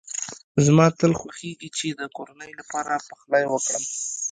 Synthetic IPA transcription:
zmɑt̪əlxwaxeɡit͡ʃed̪əkoɾanəjlapɑɾapəxlɑjwəkɽəm

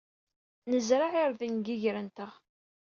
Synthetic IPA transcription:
nəzɾaʕɪɾðinɡiʝɾənt̪əʁ

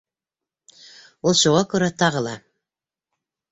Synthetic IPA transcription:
ulˠʃuʁɑkɵ̆ɾæt̪ɑʁɤlˠɑ

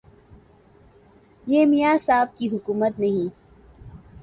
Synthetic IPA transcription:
jeːmijaːsaːb̚kiɦʊkuːmət̪nɐɦĩː

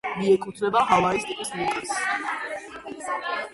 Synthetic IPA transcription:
miɛkʼut̪ʰnɛbaɦavaist̪ʼipʼismukʼis

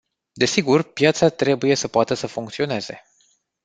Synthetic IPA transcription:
d̪e̞siɡurpjat̪sat̪ɾe̞buje̞səpoat̪əsəfuŋkt̪sio̞ne̞z̥e̞̰

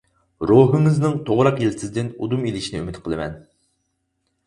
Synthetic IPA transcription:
ɾoɦɨŋɨznɨŋt̪ʰoʁɾɑqjelsɪzd̪ɪnud̪umilɪʃinɪymɪt̪qʰəlˠɨmɛ̰n

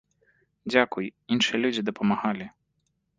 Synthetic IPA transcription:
d͡zʲakujinʂɨjɛlʲud͡zʲid̪ɐpɐmaɣalʲi

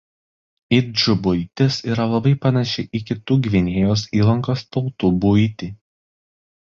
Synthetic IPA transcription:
ɪd͡ʒʊbʊɪt̪ʲɪsiːɾɐlˠɐbɐɪpɐnɐʃʲɪʔɪkʲɪt̪uːɡʲʋʲɪnʲeːjoːsiːlˠɐŋkoːst̪ɒʊt̪uːbʊɪt̪ʲiː

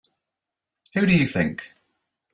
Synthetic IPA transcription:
hʉɾɨjɨθɪ̰̃ŋk

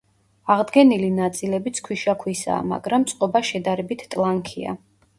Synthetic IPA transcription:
aʁd̪ɡɛnilinat̪sʼilɛbit̪sʰkʰwiʃakʰwisa̰ːma̰ɡɾamːt̪sʼqʼɔbaʃɛd̪aɾɛbit̪ʰt̪ʼlˠaŋkʰia̰

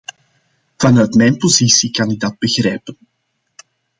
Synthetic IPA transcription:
v̥ɑnœɥtmɛjnpozisikɑnɪɡ̚dɑd̚bəɣrɛjpən

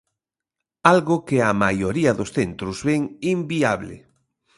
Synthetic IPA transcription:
alɣokeamajoɾiɐðosθent̪ɾʊzβɛŋimbiaβlɪ̰

